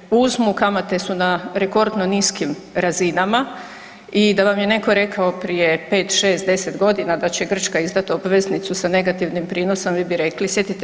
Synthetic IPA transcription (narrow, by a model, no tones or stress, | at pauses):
uzmukamat̪e̞sunaɾe̞ko̞ɾd̪no̞niskim | ɾazinama | id̪aʋamje̞ne̞ko̞ɾe̞kʰao̞pɾije̞pe̞ːt̪ʃe̞ːst̪d̪e̞se̞t̪ɡo̞d̪inad̪at͡ɕe̞ɡr̩t͡ʃkaizd̪at̪obʋe̞znit̪susane̞ɡat̪iʋnimpɾiːno̞somʋiːbiɾe̞klisje̞t̪it̪e